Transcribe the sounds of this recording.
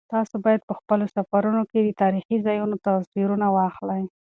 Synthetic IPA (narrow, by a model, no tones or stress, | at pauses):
t̪ɑsobɑjad̪̚pəxpəlosafaɾunoked̪ət̪ɑɾixizɑjunot̪aziɾunawɑxlaj